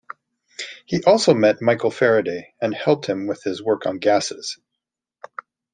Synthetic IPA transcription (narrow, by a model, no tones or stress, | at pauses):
hiʔɔlˠsoʊmɛt̚maɪkl̩ˠfɛɹɨdeɪɨ̃nhɛlˠp̚t̚hɨ̃mwɪð̥ɪzwɜ˞kn̩ɡæsɨz̥